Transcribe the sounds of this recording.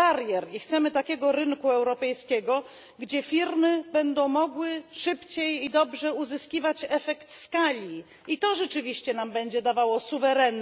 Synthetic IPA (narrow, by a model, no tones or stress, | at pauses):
aɾjɛɾixt̪sɛmɘt̪akʲɛɡɔɾɘŋkuɛwɾɔpɛjskʲɛɡɔ | ɡd͡ʑɛfʲiɾmɘbɛnd̪ɔ̃w̃mɔɡwɘʂɘpt͡ɕejid̪ɔbʐɛuzɘskʲivat͡ɕɛfɛkt̪skalʲi | it̪ɔʐɛt͡ʂɘvʲiɕt͡ɕɛnambɛɲd͡ʑɛd̪avawɔsuvɛɾɛnː